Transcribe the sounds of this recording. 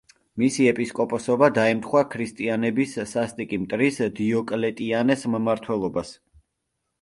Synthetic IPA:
misiɛpʼiskʼɔpʼɔsɔbad̪aɛmt̪ʰχwakʰɾist̪ʼianɛbisːast̪ʼikʼimt̪ʼɾisd̪iɔkʼlɛt̪ʼianɛsmmaɾt̪ʰwɛlˠɔbas

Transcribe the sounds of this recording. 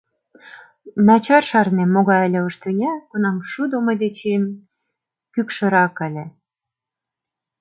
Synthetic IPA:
nɑt͡ɕɑrʃɑrnemːoɣɑjəlʲĕəʃt̪ɤnʲækunɑmʃud̪omod̪et͡ɕen | kykʃɤ̆ɾɑkælʲe

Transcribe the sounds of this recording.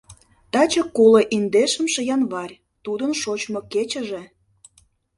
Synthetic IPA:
t̪ɑt͡ɕəkoleʔind̪eʃə̆mʃə̆jɑnβɑrʲ | t̪ud̪ənʃot͡ɕmoket͡ɕə̆ʒe

